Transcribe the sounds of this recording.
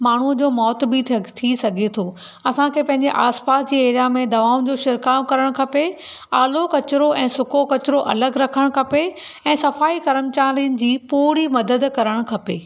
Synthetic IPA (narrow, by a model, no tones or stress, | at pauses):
maːɳ̤ud͡ʑoːmɔːt̪bit̪ʰt̪ʰisɐɡʱet̪ʰo | ɐsãkʰeːpɐ̃ɦɪ̃ɲd͡ʑeʔaːspaːsd͡ʑiːeːɾjamẽd̪ɐʋaːʊ̃d͡ʑoːʃɪɾkaːmkɐɾəɽ̃kʰɐpe | aːlokɐt͡ɕɪɾoʔɛ̃ːsʊkʰokɐt͡ɕɾoʔɐ̰ləɡɾɐkʰəɽ̃kʰɐpe | ɛ̃ːsɐfaːikɐɾəmt͡ɕaːliənɪ̆d͡ʑiːpuːɾimɐd̪əd̪kɐɾəɽ̃kʰɐpeː